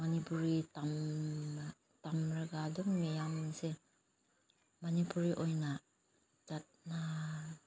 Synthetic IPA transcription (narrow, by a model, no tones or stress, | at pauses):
manipuɾitam | tamɾaɡaduŋmejamse | manipuɾiʔojna | d͡ʒat̚na